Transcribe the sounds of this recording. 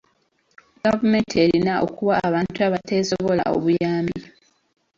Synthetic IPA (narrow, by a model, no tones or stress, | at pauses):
ɡavumeːntʰieɾinao̰kuβaːβaːntuaβate̞ːso̞βo̞la̰o̰βujaːmbi